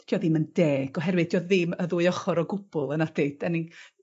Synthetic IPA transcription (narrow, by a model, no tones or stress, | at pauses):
tʰjɔðɪməndɛːɡ̥ɔɦɛɾwɨðd̥ʰjɔðɪməðuːɨɔχɔɾɔɡʊb̥ʊlˠənad̥eɨd̥ɛnɪŋ